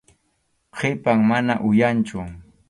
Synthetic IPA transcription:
qʰepaŋmanaʔʊjant͡ʃʊ

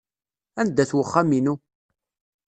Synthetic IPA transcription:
ænd̪ːæθwəχːaminu

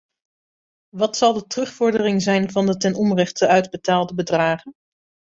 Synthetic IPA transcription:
ʋɑtsɑlˠdətərɵχfʊɹdərɪŋzɛjnvɑndətɛnɔmrɛχtəœɥdbətaːlˠdəbədraːχən

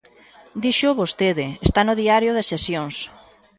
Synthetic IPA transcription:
d̪iʃʊβost̪eðɪest̪anʊðiaɾjoðesʃesjoŋs

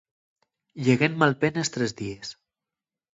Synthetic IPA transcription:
ʎeɣemmalˠpenest̪ɾezðies

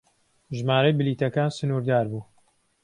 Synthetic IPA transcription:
ʒmaːɾɐjbɨliːt̪ɐkaːnsɨnuːɾd̪aːɾbuː

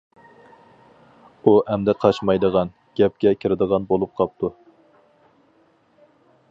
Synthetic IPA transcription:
uʔɛmd̪ɛqʰɑʃmɑjd̪əʁɑn | ɡ̥ʲɛp̚kʲɛkʲʰɪɾɪd̪əʁɑnbolˠup̚qʰɑp̚t̪ʰu

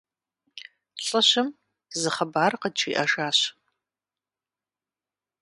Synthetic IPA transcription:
ɬʼɐɕɪm | zɨχɐbaːrqət͡ʃʰiːʔɐʒaːɕ

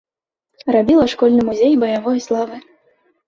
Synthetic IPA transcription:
rabʲilˠɐʂkɔlʲnɨmuzʲejbɐjavɔjslˠavɨ

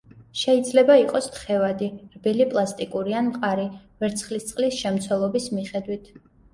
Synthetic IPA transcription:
ʃɛid̪zlɛbaiqʼɔst̪χɛvad̪iɾbilipʼlˠast̪ʼikʼuɾianmqʼaɾivɛɾt̪sʰχlist̪ʼqʼlisʃɛmt̪sʰwɛlˠɔbismiχɛd̪wit̪ʰ

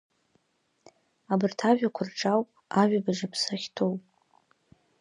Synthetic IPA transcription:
abɨrtʰaʒᶣakʷʰʊrʈ͡ʂʼawpʼ | aɥᶣabaʒapʰsaχʲtʰo̞wpʼ

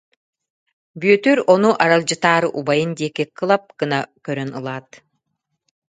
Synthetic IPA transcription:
byœt̪yɾɔnuʔaɾalˠd͡ʑɯt̪aːɾɯʔubajɯnd̪iɛkikɯlˠap̚kɯnakœɾœnɯlˠaːt̪

